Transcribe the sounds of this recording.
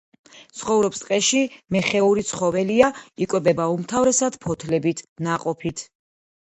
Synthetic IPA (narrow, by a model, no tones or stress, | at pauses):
t̪sʰχɔvɾɔpst̪ʼqʼɛʃimɛχɛuɾit̪sʰχɔvɛliaikʼwɛbɛbaumt̪ʰavɾɛsad̪̥pʰɔt̪ʰlɛbit̪ʰnaqʼɔpʰit̪ʰ